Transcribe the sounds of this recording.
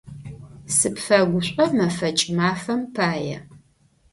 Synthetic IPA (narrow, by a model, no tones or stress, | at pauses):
sɨpfɐɡʷʊɕʷʼɐmɐfɐt͡ʃʼmaːfɐmpʰaːjɛ̰